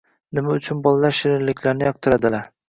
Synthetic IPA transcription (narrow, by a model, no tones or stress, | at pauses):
nɪmaʊt͡ʃʰʊnbɒlˠalaɾʃɪɾɪɾlɪkʲʰlaɾnɪjɒq̚t̪ʰɪɾad̪ɪlaɾ